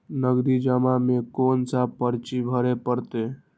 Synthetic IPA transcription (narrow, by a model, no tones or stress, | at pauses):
nəɡɾid͡ʒəmamekonsapəɾt͡ʃibʱəɾepəɾt̪e